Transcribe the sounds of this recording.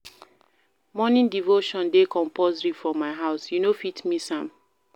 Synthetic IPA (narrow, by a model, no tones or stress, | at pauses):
mɔnĩndivoʃɔ̃ndekʰɔ̃mpɔzɹifɹɔmaɪɦaʊsjunofitmisãm